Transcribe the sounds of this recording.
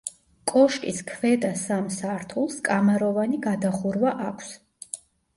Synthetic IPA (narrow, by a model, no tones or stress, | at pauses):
kʼɔʃkʼiskʰvɛd̪asamsaɾt̪ʰulˠskʼamaɾɔvaniɡad̪aχuɾvaʔakʷʰs